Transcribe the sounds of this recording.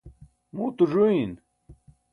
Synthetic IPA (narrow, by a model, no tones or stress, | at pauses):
muːt̪uʐuin